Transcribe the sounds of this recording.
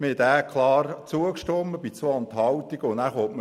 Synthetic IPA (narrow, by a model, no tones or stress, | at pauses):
məɛt̪æːkχlɑːrt͡suəkʃtɔmːəbit͡soɑnt̪hɑwt̪iɡʊnæːɾχoːtm